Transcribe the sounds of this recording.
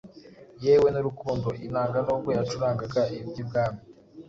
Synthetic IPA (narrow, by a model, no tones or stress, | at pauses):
jeːwe̞nuɾukuːndoʔinaːŋɡanuːbɡweɾat͡ʃuɾaːŋɡaɡaibɟib̚ɡaːmi